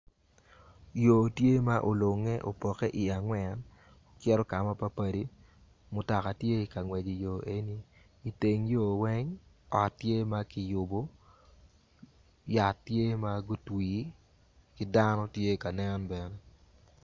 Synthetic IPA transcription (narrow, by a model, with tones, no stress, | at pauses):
jo˨tje˦ma˦ʔo˨lo˨ŋe˦ʔo̰˨pɔ˨ke˦ʔi˨a˨ŋwɛ˨n | o˨kjɛ˦ɾɔ˦ka˨ma˦pa˦pa˨di˦ | mʊ˨ta˨ka˨tje˦i˨ka˨ŋwɛ˨d͡ʒi˨jo˨e˦ni˦ | i˨te˨ŋjo˨wɛ˦ŋ | ɔ˨tːje˦ma˦kɪ˨jʊ˨bo˦ | ja˨tːje˦ma˦ɡo˦twiː˨ | kɪ˦da˦nɔ˦tje˦ka˨nɛ˦nbɛ˨nɛ˦